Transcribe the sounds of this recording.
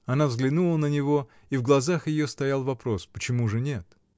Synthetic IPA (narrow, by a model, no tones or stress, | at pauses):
ɐnavzɡlʲɪnulˠənənʲɪvo̞ | ivɡlˠɐzaxjɪjost̪ɐjalˠvɐpɾo̞spət͡ɕɪmuʐɨnʲe̞t̪